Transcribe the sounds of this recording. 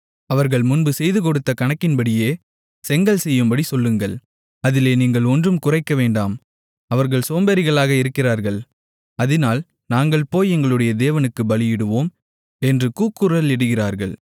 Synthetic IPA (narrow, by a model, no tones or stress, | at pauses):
ɐʋɐɾɣɐɭmʊnbɯsɛjðɯk̬ɔɽɯt̪ːɐkɐɳɐkːɪnbɐɽɪjeː | sɛŋɡɐɭsɛjːɯmbɐɽisɔlːɯŋɡɐɭ | ɐðɪleːniːŋɡɐɭɔndrɯmkʊrɐɪkːɐʋeːɳɖaːm | ɐʋɐɾɣɐɭsoːmbɐɾɪɣɐɭaːɣɐɪɾɯkːɪraːɾɣɐɭ | ɐðɪnaːl | naːŋɡɐɭpoːjɛŋɡɐɭɯɽɐjɐd̪eːʋɐnɯkːɯbɐlɪjɪɽɯʋoːm | ɛndrɯkuːkːɯɾɐlɪɽɯɣɪraːɾɣɐɭ